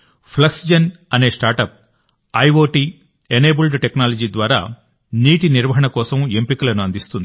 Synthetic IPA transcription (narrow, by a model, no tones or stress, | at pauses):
pʰlɐksd͡ʒɐnɐne̞ːsʈaːɾʈɐp̚ | ɐjʋoːʈiː | eneːbulɖʈeknaːlɐd͡ʒiːd̪ʋaːɾa̰ː | niːʈiniɾʋɐɦɐɳɐkɔːsɐmempikulɐnuɐnd̪ist̪und̪i